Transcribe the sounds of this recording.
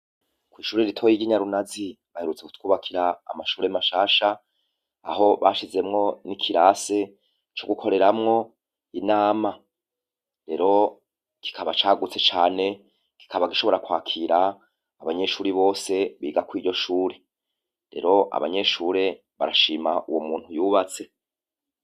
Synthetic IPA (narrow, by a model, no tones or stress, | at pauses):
kwiːʃuːɾeɾitʰojiɡɟiɲaɾunazi | βahe̞ɾut͡seku̥tkuːβakʰiɾa̰ːmaʃuːɾemaʃaːʃa | a̰ɦo̞βa̰ːʃize̞mŋo̞nikʰiɾaːse̞ | t͡ʃo̞ɡukʰo̞ɾe̞ɾamŋo̞ | inaːma | ɾe̞ɾo̞ | ki̥kʰaβat͡ʃaːɡut͡se̞t͡ʃaːne̞ | ki̥kʰaβaɡiʃo̞βo̞ɾakwaːkʰiːɾaː | βaɲe̞ʃuːɾiβo̞ːse̞βiːɡakwiːɟo̞ʃuːɾe | ɾe̞̰ɾo̞ʔa̰βa̰ɲe̞ʃuːɾe̞ | βa̰ɾaʃiːmaʔuwomuːn̥hujuːβat͡se̞